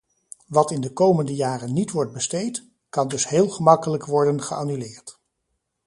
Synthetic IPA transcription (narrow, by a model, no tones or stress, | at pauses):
ʋɑtɪndəkowməndəjaːrənːitʋɔɹd̚bəstejt | kɑndɵsɦeːlˠχəmɑkələkʋɔɹdənχəanylɪːɹt